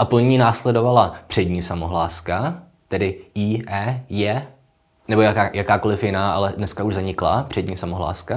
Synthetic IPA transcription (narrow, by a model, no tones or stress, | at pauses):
ʔapl̩ɲiːnaːslɛdo̞valapr̝̥ɛdɲiːsamoɦlaːska | t̪ɛdɪiːʔɛːjɛ | nɛbojaajakaːko̞lɪfjɪnaːʔalɛdnɛskauʒzaɲɪkla̰pr̝̥ɛdɲiːsamoɦla̰ːska